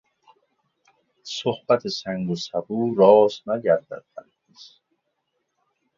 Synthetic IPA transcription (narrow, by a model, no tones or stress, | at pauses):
sohb̥æt̪ʰesæŋɡosæbuːɾɒːsnæɟæɾd̪æ̰d̪̥̚bæn | is